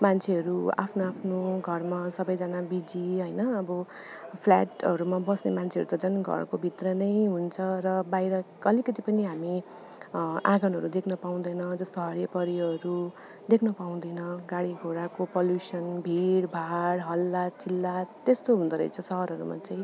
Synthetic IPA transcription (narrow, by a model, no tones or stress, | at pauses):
mant͡sʰeʌɾua̰pʰnoapʰnoɡʱʌrmasʌbʌjd͡zanabid͡ziɦʌjnʌʌbʌ | pʰla̰ʈʌ̰ɾumabʌsnemant͡sʰeʌ̰ɾut̪ʌd͡zʌnɡʱʌ̰rkobʱit̪rʌnʌjɦunt͡sʰʌrʌbajɾʌkʌlikʌt̪ipʌniɦami | ãɡʌnɦʌɾud̪ekʰnʌpaw̃d̪ʌjnʌd͡zʌst̪oɦʌɽjepʌɾiɦʌɾu | d̪ekʰnʌpaũd̪ʌjnʌɡaɽiɡʱoɾakopʌljusʌnbʱiɽbʱaɽɦʌlːatt͡sʰilːat̪ːest̪oɦund̪ʌɾʌ̰jt͡sʰʌsʌɦʌɾʌɾṵma̰t͡saj̃